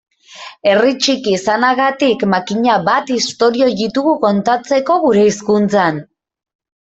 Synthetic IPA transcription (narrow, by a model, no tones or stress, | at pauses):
e̞rit͡ʃikisanaɣat̪ikmakiɲaβat̪ist̪o̞ɾio̞ðit̪uɣuko̞nt̪at͡se̞ko̞ɣuɾe̞iskunt͡san